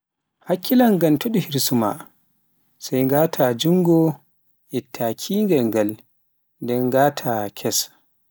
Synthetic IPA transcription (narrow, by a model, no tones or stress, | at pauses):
hakːilaŋɡantoɗihiɾsuma̰ | sajŋɡaːtʰad͡ʒuŋɡɔ | ʔɛtʰːakʰiːŋɡaŋɡal | ndɛnɡaːtʰakʰɛs